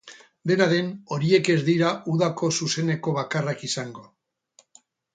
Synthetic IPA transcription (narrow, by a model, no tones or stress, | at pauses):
d̪e̞naðe̞no̞ɾie̞ke̞zd̪iɾaʔuðako̞suse̞ne̞ko̞β̞akarakisaŋɡo̞